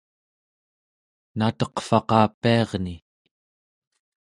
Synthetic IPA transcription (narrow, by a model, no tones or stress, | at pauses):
nat̪ʌqfɑqɑːpːiɑʁni